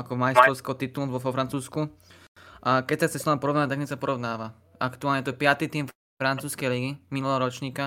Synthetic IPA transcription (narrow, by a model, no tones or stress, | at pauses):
akɔmajist̪ɾɔʊskɛɦɔt̪it̪ulʋɔɔfɾant͡suːsku | ʔakɛc̚t͡sat͡sɛsɔampɔɾɔʋnaːat̪akɛsapɔɾɔʋnaːʋa | akt̪uaːlɲɛt̪ɔɛpɪat̪it̪iːmf | fɾant͡suːskɛjliɡiminulɛɦɔɾɔt͡ʃɲiːka